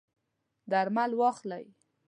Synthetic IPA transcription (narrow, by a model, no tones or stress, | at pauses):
d̪aɾmalwɑxla̰j